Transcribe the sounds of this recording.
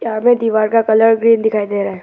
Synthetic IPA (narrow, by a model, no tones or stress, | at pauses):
aːɾmẽd̪iːʋaːɾkakɐləɾɡɾiːnd̪ɪkʰaːid̪eːɾaːɦɛː